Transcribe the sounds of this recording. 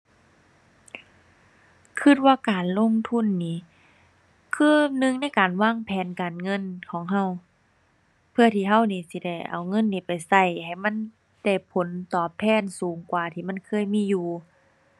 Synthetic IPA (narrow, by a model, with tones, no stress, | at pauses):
kʰɯ˧˩t̪̚waː˧˨kaː˨nlo˧˥˨ŋt̪ʰu˧˥˨nːiː˧˩˨ | kʰɯː˧˥˧nɯ˧˨ŋna˧˥˨jkaː˨nwaː˧˥˨ŋpʰɛː˨˦nkaː˨nŋɤ˧˥˨nkʰɔː˨˦ŋɦa˧˩w | pʰɯ˧˩ɐt̪ʰiː˧ɦa˧˥˨wniː˧si˧da˧˩jʔa̰˨˩wŋɤ˧˥˨nːiː˧˩pa˨jsa˧˩jha˨˩jma˧˥˨n | da˧˩jpʰo˨˦nt̪ɔː˧˩pʰːɛː˧˥˨nsuː˨˦ŋkwaː˨˩t̪ʰiː˧˩ma˧˥˨nkʰɤː˧˥˨jmiː˧˥˨juː˧˩